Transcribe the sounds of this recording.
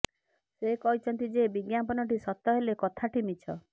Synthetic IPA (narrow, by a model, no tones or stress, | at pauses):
sekɔɦit͡ʃʰɔnt̪id͡ʒebiɡjampɔnɔʈisɔt̪ːɔɦelekɔt̪ʰaʈimit͡ʃʰɔ